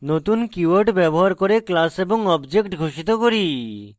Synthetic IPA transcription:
not̪unkuəɾʈbɛbɔɦaɾkoɾeklaseboŋɔbd͡ʒekʈɡʱoʃit̪okoɾi

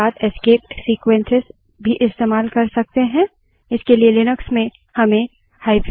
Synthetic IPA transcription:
aːt̪eskeːp̚ʈsiːkwẽnsɪz | bʱiʔɪst̪eːmaːlkɐɾsɐk̚t̪eɦɛ̃ | ɪskelielɪnəksmẽ | hɐmẽ | haːɪp

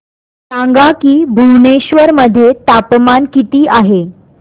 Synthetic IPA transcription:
sãŋɡakiːbʱuwneɕʋəɾməd̪ʱːjet̪apmankit̪iːʔaɦe

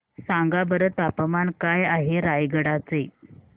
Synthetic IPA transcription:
saŋɡabəɾət̪apəmankajaɦeɾajɡəɽat͡se

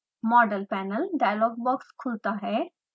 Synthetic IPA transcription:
mɔɖəlpænəlɖajlɔɡ̚bɔkskʰult̪aɦɛ

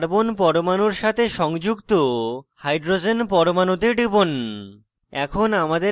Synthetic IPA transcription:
ɾbonpɔɾomanoɾʃat̪ʰeʃɔŋd͡ʑuɡt̪ohajɖɾod͡ʑenpɔɾomanot̪eɖibon | ɛkʰonamad̪e

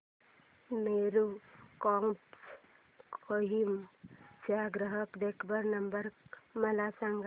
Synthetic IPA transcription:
meːɾukɔmps | oɦimd͡ʒaɡɾəɦəkd̪eːkʰbəɾnəmbəɾmɐlasə̃ŋɡ

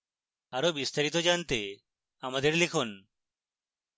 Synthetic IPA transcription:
aɾobist̪aɾit̪od͡ʒant̪e | amad̪eɾlekʰon

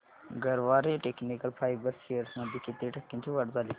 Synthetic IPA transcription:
ɡəɾʋaɾeʈeknikəlfajbəɾsejəɾsməd̪ʱːjiket̪eʈʰəkːint͡ɕiːʋəʈd͡zʱali

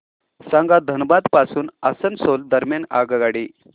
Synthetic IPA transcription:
sãŋɡad̪ʱənbad̪pasuːnasənsold̪əɾmjana̰ɡɡaɽi

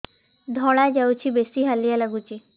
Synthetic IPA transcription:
d̪ʱɔɭad͡ʒawt͡ʃʰibesiɦalijalaɡut͡ʃi

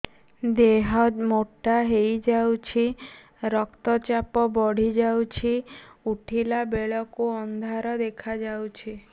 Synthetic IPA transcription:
d̪eɦɔmoʈːaɦejd͡ʒawt͡ʃʰi | ɾɔkt̪ɔt͡ʃapɔbɔɽ̤id͡ʒawt͡ʃʰiuʈʰilabeɭɔkuɔnd̪ʱaɾɔd̪ekʰad͡ʒawt͡ʃʰi

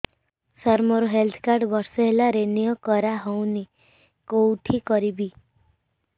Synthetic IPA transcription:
sɔɾmɔɾɔɦelt̪ʰkaɾɖbɔɾsɔɦelaɾenijɔkɔɾaɦowni | kowʈʰikɔɾibi

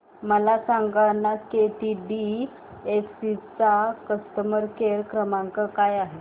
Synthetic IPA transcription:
məlasãŋɡanːakeʈiɖi | efsit͡sakəst̪əməɾkeɾkɾəmãŋkəkajaɦe

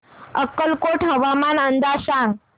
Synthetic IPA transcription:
əkːəlkoʈɦəʋamanənd̪asaŋɡ

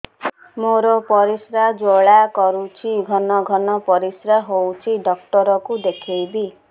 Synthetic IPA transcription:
moɾɔpɔɾisɾad͡ʒoɭakɔɾut͡ʃʰiɡʱɔnɔɡʱɔnɔpɔɾisɾaɦowt͡ʃʰiɖɔkʈɔɾɔkud̪ekʰejbi

